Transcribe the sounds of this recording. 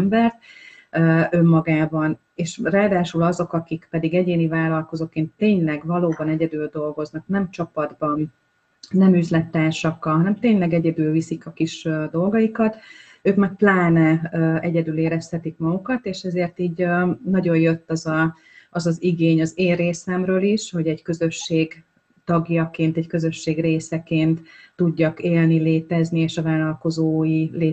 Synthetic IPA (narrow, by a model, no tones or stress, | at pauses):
mbɛrt̪̚ | øø̞mːɒɡaːbɒn | eːʃraːd̪aːʃylɒzo̞kɒkikpɛd̪iɡɛɟeːnivaːlɒlko̞zo̞keːnt̪eːɲlɛɡvɒloːbɒnɛɟɛd̪yːld̪o̞lɡo̞znɒknɛmt͡ʃɒpɒd̪bɒn | nɛmyzlɛt̪ːaːrʃɒkːɒlɦɒnɛmt̪eːɲlɛɡɛɟɛd̪ylvisikɒkiʃd̪o̞lɡɒjikɒt̪ | øːkmaːk̚plaːnɛɛɟɛd̪yleːɾɛshɛt̪ikmɒɡukɒt̪eːʃɛzeːrt̪iːɟnɒɟo̞jjø̞t̪ːɒzɒː | zɒziɡeːɲɒzeːreːsɛmrøːliʃho̞ɟɛɟkø̞zø̞ʃːeːɡ | t̪ɒɡjɒkeːnt̪ɛckø̞zø̞ʃːeːɡreːsɛkeːnt̪ːuɟːɒkeːlnileːt̪ɛznieːʃɒvaːlɒlko̞zoːjileː